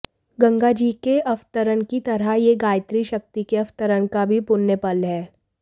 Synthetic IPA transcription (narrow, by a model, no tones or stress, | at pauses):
ɡɐ̃ŋɡad͡ʒiːkeʔɐʋt̪əɾənkit̪ɐɾaɦjeɡaːjt̪ɾiʃɐk̚t̪ikeɐft̪əɾənkabʱipʊnːepɐlɦɛː